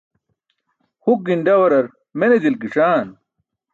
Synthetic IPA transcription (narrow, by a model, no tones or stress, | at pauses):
huk̚ɡinɖɐwɐɾɐɾ | mened̪ilkiʂaːn